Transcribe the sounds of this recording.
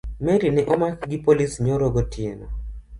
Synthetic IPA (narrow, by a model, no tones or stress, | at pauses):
meɾinɪʔɔmakɡipolisɲɔɾɔɡɔtʰɪenɔ